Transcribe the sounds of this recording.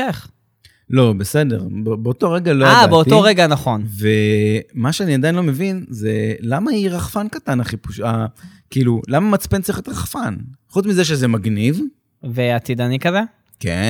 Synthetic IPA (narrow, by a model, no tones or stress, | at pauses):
eχ | lo̞bese̞de̞̰ʁbebeoto̞ʁeɡaloaaabeotioʁeɡanaχo̞nvemaʃeaniad̪ajinlome̞vinzelamaiʁaχfankatanaχipuʃakiːlulamamat͡spent͡siχet̪ʁaχfanχut͡smizeʃ̬ezemaɡniv | veat̪id̪anikaze | kḛ